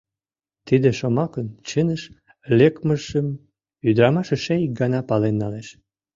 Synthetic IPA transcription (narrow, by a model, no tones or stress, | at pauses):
t̪id̪eʃomɑkənt͡ɕənəʃ | lekməʒəm | yd̪əɾɑmɑʃəʃeik̚ɡɑnɑpɑlenːɑleʃ